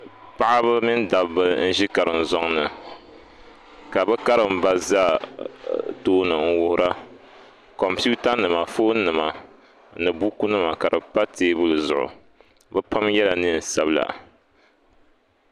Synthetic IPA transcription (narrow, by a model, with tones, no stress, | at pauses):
pa˦ʔa˦βɨ˦mi˦nda˨bbɨ˦n̩˦ʒi˦ka˨ɾɨ˨n̩˨zɔ˦ŋnɨ˨ | ka˨bɨ˦ka˦ɾɨ˨m̩ba˦za˦ | doː˦nɨ˨ŋ̩˦wʊ˦hʊ˦ɾʔa˦ | kɔ˨mpu˦ta˦nɨ˨ma˨foː˦nɨ˨ma˨ | nɨ˨bu˦ku˦nɨ˦ma˨ka˨ɾɨ˨pa˦teː˦bɨ˦lɨ˨zʊ̰˨ʔʊ̰˨ | bɨ˦pa˦mjɛ˦la˨nɨ˦n̩˨sa˨bla̰˨